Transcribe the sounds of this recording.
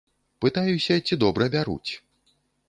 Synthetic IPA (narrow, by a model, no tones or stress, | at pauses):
pɨt̪ajusʲɐt͡sʲid̪ɔbɾɐbʲaɾṵt͡sʲ